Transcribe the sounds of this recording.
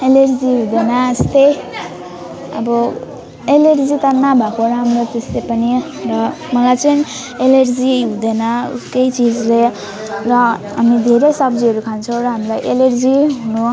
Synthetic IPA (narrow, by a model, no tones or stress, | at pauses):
elerd͡ziɦũd̪enʌest̪ej | ʌ̰bʌ | elerd͡zit̪ʌnabʱakoɾaːmrot̪eslepʌni | rʌ | mʌlajt͡sʌn | elerd͡ziɦũd̪enʌṵskejt͡sid͡zle | rʌɦamid̪ʱeɾejsʌbd͡ziʌɾukʰant͡sʰʌw̃ɾʌɦamilajʔelerd͡ziɦunu